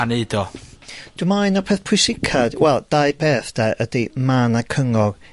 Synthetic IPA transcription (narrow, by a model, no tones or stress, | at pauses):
aneːdɔd̥umaɨnɔpʰeːθpʰʊsɪkʰad̥wɛlˠd̥aɨbeːθd̥aʔədimanakʰəŋɔɡ